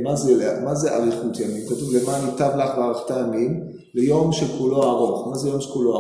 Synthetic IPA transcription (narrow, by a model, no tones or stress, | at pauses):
mazeleamazeʔa̰ʁiχutjamimkotuvlemanitavlaχveaʁaχtajamim | lejo̞mʃekulo̞aʁo̞χmazejo̞mʃekuloa